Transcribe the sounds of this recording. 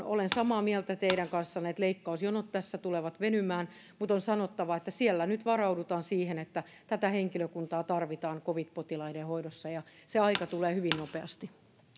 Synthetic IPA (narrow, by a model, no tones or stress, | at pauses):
o̰lensɑmɑːmiɛlt̪æt̪eiɾæŋkɑnsːɑnet̪leikːɑusjonot̪t̪æsːæt̪uleʋɑt̪ʋenymæːn | mut̪onsɑnot̪ːɑʋɑet̪ːæsiælːænyt̪ʋɑrɑudut̪ɑːnsiːhenet̪ːæ | t̪æt̪æheŋkiløkunt̪ɑːt̪ɑrʋit̪ɑːŋkoʋit̪pot̪ilɑidehoiɾosːɑjɑseɑikɑt̪uleːhyʋinnopeɑst̪i